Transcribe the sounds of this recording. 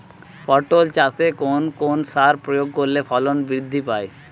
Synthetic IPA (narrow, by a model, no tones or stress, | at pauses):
fɔɾʈolt͡ɕasekonkonsaɾpɾojoɡ̚koɾːefɔlonbɾid̪ʱːipae